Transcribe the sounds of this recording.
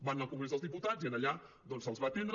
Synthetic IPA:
banəlˠkuŋɡɾezðəlˠzðiput̪ad͡zziənəʎa | d̪ɔnsəlˠzβat̪end̪ɾ

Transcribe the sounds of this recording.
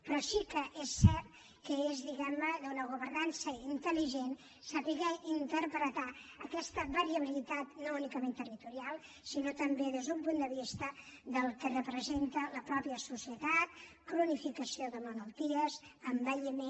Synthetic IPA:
pɾɔsikəʔesːɛɾt̪ | kəezðiɣɛmnəðunəɣ̞uβ̞əɾnansəint̪əliʒen | səβiɣəint̪əɾpɾət̪aəkɛst̪əβəɾiəβ̞ilit̪at̪nounikəment̪ərit̪uɾialˠ | sinot̪əmbeðezðumpund̪əβist̪ə | ðəlˠkərəpɾəzent̪ələpɾɔpiəsusiət̪at̪̚ | kɾunifikəsioðəmələlˠt̪iəzəmbəʎime

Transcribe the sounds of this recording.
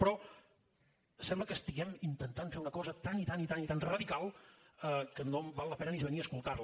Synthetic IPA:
pɾɔ | sɛmbləkəst̪iɣɛmint̪ənt̪anfeɾunəkɔzət̪anit̪anit̪anit̪anrəðikalˠəkənoβalːəpɛnənizβəniəːskulˠt̪arl

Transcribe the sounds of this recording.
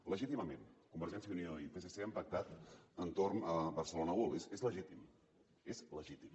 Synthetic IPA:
ləʒit̪iməmenkumbəɾʒɛnsjəunioipeseseəmpək̚t̪at̪ənt̪ornəβəɾsəlonəwolesezləʒit̪im | ezləʒit̪im

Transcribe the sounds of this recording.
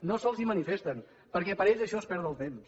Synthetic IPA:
nosɔlˠzimənifest̪ən | pəɾkɛpəɾɛzəʃɔspɛɾðəlˠt̪ems

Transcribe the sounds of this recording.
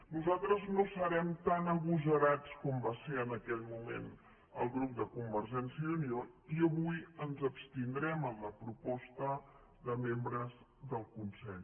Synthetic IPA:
nuzalˠt̪ɾəznosəɾɛmt̪anəɣuzəɾat͡skɔmbaseənəkɛʎmumḛn | ə̰lˠɣɾup̚d̪əkumbəɾʒɛnsiəunioiəβujənzəpst̪ind̪ɾɛməmləpɾupɔst̪ə | ðəmembɾəz | ðəlˠkunsɛʎ

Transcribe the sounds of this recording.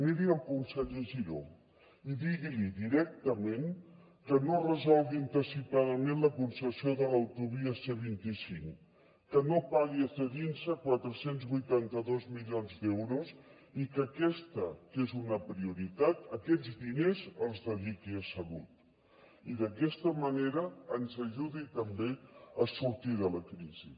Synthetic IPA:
niɾiəlˠkunsɛʎəʒiɾo̰ | iðiɣiliðiɾɛk̚t̪əmen | kənorəzɔlˠɣint̪əsipaðəmẽnləkunsəsioðələwt̪uβiəseβ̞int̪isiŋ | kənopaɣiəsəɣinsəkwat̪ɾəsenzβujt̪ant̪əðozmiʎonzd̪ɛwɾuz | ikəkɛst̪əkezunəpɾiuɾit̪at̪əkɛd͡zd̪inezəlˠzðəðikiəsəβut̪ | iðəkɛst̪əməneɾəːnzəʒuðit̪əmbeəsuɾt̪iðələkɾizḭ

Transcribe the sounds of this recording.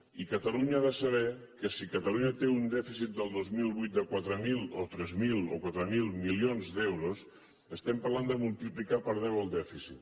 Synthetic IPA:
ikət̪aluɲaaðəsəβ̞ɛkəsikət̪aluɲət̪eund̪ɛfisit̪̚d̪əlˠd̪ozmilˠβujt̪̚d̪əkwat̪ɾəmilˠot̪ɾɛzmilo̰kwat̪ɾəmilˠmilionzðɛwɾos | əst̪ɛmpəɾland̪əmulˠt̪iplikapəɾðɛwəlˠd̪ɛfisit̪

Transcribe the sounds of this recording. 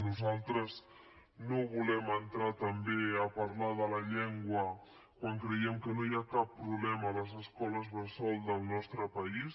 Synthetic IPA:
nuzalˠt̪ɾəz | noβulɛmənt̪ɾat̪əmbeəpəɾlaðələʎɛŋɡwə | kwaŋkɾəjɛmkənoiakapːɾuβlɛməːləzəskɔləzβəsɔlˠd̪əlˠnɔst̪ɾəpəis

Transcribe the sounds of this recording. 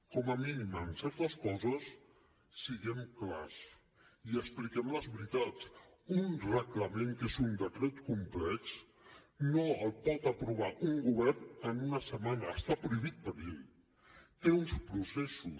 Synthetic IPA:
kɔməminimənsɛɾt̪əskɔzəsː | iɣɛmkla̰s | iəksplikɛmləzβɾit̪at͡s | unrəkləmeŋkezund̪ətɾɛtkumplɛts | noəlˠpɔt̪əpɾuβ̞aʔuŋɡuβɛɾnənunəsəmanəːst̪apɾuiβit̪̚pəɾel | t̪eunspɾusesu

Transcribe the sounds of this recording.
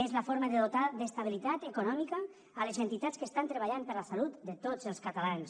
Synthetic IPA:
ezləfoɾməðəðot̪aðəst̪aβ̞ilit̪at̪əkunɔmikaː | lezent̪it̪at͡skəst̪ant̪ɾəβaʎampəɾləsalut̪d̪ət̪ot͡səlˠskat̪alans

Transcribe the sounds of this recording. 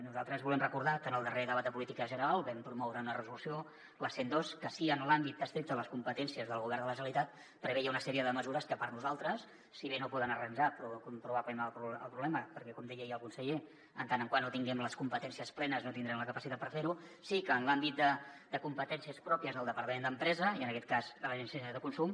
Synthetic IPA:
nuzalˠt̪ɾəzβulɛmrəkuɾð̞akənəlˠd̪əreðəβat̪̚d̪əpulit̪ikəʒənəɾalˠβɛmpɾumɔwɾəunərəzulusio | ləsend̪oskəsiənlambit̪̚d̪əst̪ɾik̚t̪əðələskumpət̪ɛnsiəzðəlˠɣuβɛrnd̪ələʒəlit̪at̪̚ | pɾəβejaunəsɛɾiəðəməzuɾəskəpəɾnuzalˠt̪ɾəsː | iβenopɔðənərənʲʒapɾukumpɾuβaklɛmlˠpɾuə̰lˠpɾuβlɛməpəɾkɛkɔmd̪ɛjəjəlˠkunsəʎe | ənt̪anəŋkwanːot̪iŋɡɛmləskumpət̪ɛnsiəsplɛnəznot̪ind̪ɾɛmləkəpəsit̪at̪̚pəɾfeɾusikəːnlambit̪̚d̪əd̪əkumpət̪ɛnsiəspɾɔpiəzðəlˠd̪əpəɾt̪əmẽnd̪əmpɾɛzəiənəkɛt̪̚kazd̪ələʒɛnsesəðəkunsum

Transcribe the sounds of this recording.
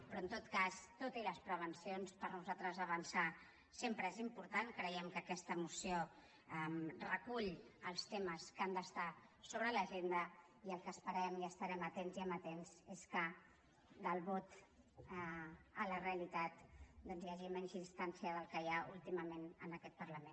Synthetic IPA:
pɾɔənt̪ot̪kast̪ot̪iləspɾəβ̞ənsionspəɾnuzalˠt̪ɾəzəβənsa | sempɾəezimpuɾt̪ankɾəjɛmkəːkɛst̪əmusio | ɛmrəkuʎəlˠst̪eməskand̪əst̪asoβɾələʒend̪ə | iəlˠkəspəɾɛmiəst̪əɾɛmət̪enziɛmət̪enzeskə | d̪əlˠβɔt̪ | ələreəlit̪at̪d̪ɔnzjaʒimɛɲʲzinst̪ansiəðəlˠkəjaulˠt̪iməmenənəkɛt̪̚pəɾləmen

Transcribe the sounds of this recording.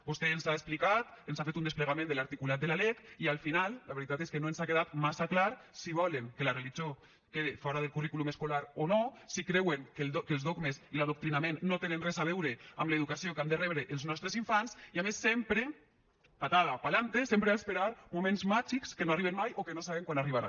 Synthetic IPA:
bost̪eːnzaesplikat̪enszafet̪und̪espleɣamẽnd̪əlaɾt̪ikulat̪̚d̪eəlalɛkialˠfinalˠːaβeɾit̪at̪eskenoenszakeðat̪masaklaɾsiβ̞ɔleŋkelareliʒo | keðefɔɾað̞elˠkurikulumeskolaɾonosikɾɛweŋkekelˠzðoɡmesilaðok̚t̪ɾinamenːot̪enenrɛzaβ̞ɛwɾeamleðukasiokand̪erɛβɾeʔːlˠznɔst̪ɾeziɱfansiamesːempɾe | pat̪aðapalant̪esempɾeaspeɾaɾmumẽnzmad͡ʒikskenoariβenmajʔokenosaβeŋkwanariβaɾa̰

